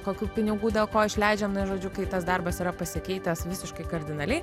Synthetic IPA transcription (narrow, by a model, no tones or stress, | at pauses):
koːkʲuːpʲɪnʲɪɡuːd̪ʲeːlˠkoːɪʃʲlʲɛɪd͡ʒʲɛmnɐʒoːd͡ʒʲʊkɐɪt̪ɐsd̪ɐrbɐsiɾɐpɐsʲɪkʲɛɪt̪ɐsʋʲɪsʲɪʃkɐɪkɐɾʲd̪ʲɪnɐlʲɛɪ